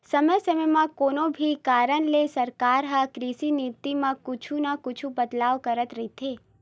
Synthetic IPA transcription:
səməjsəməmãkonobʱikaːɾənlesəɾkaɾɦəkɾisinit̪imãkʊt͡ʃʰunakʊt͡ʃʰubəd̪laʋkəɾət̪ɾəit̪ʰe

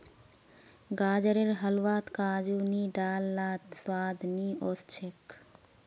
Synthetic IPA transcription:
ɡaːd͡ʒəɾeɾɦəlwaːt̪kaːd͡ʒuniɖaːlːaːt̪swaːd̪ʱniɔst͡ʃʰek

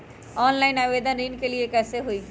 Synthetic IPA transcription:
ɔnlajnabed̪ʱanɾinkeliekɛsʰeɦojɡ

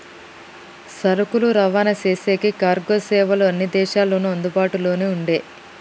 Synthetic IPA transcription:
sɐɾukuluɾɐʋaːnɐseːseːkikaːɾɡo̞ːsɛːʋɐloːɐnːid̪ɛːʃaːlːoːnuɐnd̪ubaːʈulo̞ːneːuɳɖe̞ː

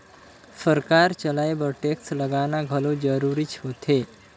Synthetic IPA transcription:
səɾkaɾt͡ɕəlaebəʈeksləɡanaɡʱəlod͡zəɾuɾiːt͡ɕʰot̪ʰe

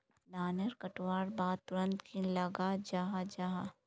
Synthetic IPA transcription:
laːnəɾkɐʈwaːɾbaːd̪̚t̪ʊɾə̃nt̪kilɐɡad͡ʒaɦad͡ʒaːɦa

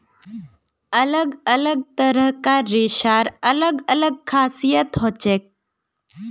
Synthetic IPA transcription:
ɐləɡələɡ̚t̪əɾəɦkaɾeːʃaːɾɐləɡələɡ̚kʰaːsijət̪ɦoːt͡ʃeːk̚

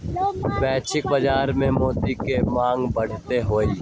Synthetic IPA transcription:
bɛːt͡ʃʰɪk̚bəd͡ʒaːɾmẽmoːd̪ikemãːŋɡbɐɽ̤t̪eɦoːiː

